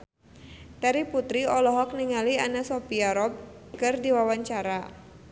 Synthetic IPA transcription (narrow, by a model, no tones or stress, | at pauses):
t̪ɛɾiput̪ɾiɔlɔɦɔk̚niŋalianasopiaɾɔb̚ | kɨrdiwawaɲt͡ʃaɾa